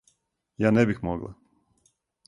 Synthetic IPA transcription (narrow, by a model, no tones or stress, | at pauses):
jaːnebixmoɡlˠa̰